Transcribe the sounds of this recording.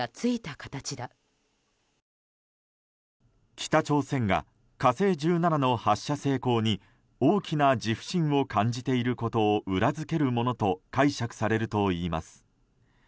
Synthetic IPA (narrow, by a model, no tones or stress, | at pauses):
at͡sɨit̪akḁt̪at͡ɕid̪a | kʲʰi̥t̪at͡ɕo̞ːsẽ̞ŋɡa̰ | kase̞ːd͡ʑɨːnanano̞haɕːase̞ːko̞ːɲ̟i | oːkʲinad͡ʑiɸɯ̟̥ɕĩɰ̃o̞kãɲ̟d͡ʑit̪e̞iɾɯ̟ko̞t̪o̞ːʔɯ̟ɾazɨke̞ɾɯ̟mo̞no̞t̪o̞kaiɕakɯ̟̥saɾe̞ɾɯ̟t̪o̞iːma̰sɨ̥